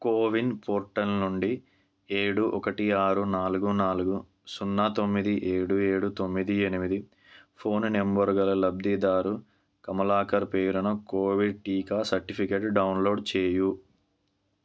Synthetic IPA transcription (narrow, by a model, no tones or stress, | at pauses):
koːʋinpoːɾʈɐlnuɳɖi | eːɽuʔɔkɐʈiaːɾunaːluɡunaːluɡu | sunːaːt̪omːid̪iʔeːɽueːɽut̪o̞mːid̪ienimid̪i | pʰo̞ːnnembɐɾɡɐlɐlɐb̚d̪id̪aːɾu | kɐmɐlaːkɐɾpeːɾunɐkoːʋiɖ̚ʈiːkaːsɐɾʈipʰikeːʈɖɐwnlo̞ːɖt͡ʃeːju